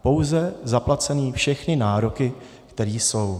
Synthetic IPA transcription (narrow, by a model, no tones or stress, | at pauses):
po̞wzɛzaplat͡sɛniːfʃɛxnɪnaːɾo̞kɪ | kt̪ɛɾiːso̞w